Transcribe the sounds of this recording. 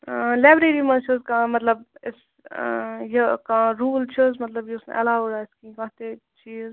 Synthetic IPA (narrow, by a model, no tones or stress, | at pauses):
laːbɾeɾimɐ̃nt͡ʃʰəzkãmɐt̪ləbɪs | jəkãːɾuːlt͡ʃʰəzmɐt̪ləbjeʊsn̰ʔɐ̰laːʋɾaːɪskĩkãːt̪et͡ʃʰiːz